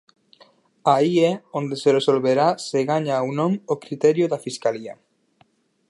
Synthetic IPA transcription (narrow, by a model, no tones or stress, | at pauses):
aiɛond̪eseresolβeɾaseɣaɲawnõmokɾit̪ɛɾjoðafiskalia̰